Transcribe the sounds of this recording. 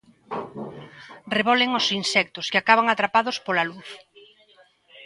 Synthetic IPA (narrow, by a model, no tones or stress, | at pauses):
reβɔlɪŋosinsɛk̚t̪ʊskɪakaβaŋat̪ɾapaðʊspolaluθ